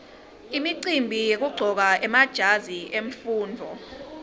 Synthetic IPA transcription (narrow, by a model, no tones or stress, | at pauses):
imiǀimbʱijek̬uɡ͡ǀʱɔk̬aʔɛmad̥ʒ̥ʱaziʔeɱfuːndʱɔ̰